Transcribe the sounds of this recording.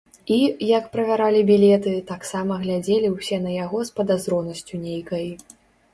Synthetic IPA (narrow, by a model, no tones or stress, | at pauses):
ijɐkpɾɐvʲaɾalʲibʲilʲɛt̪ɨt̪aksamɐɣlʲad͡zʲelʲiwsʲɛnɐjaɣɔspɐd̪azɾɔnɐsʲt͡sʲunʲejkɐj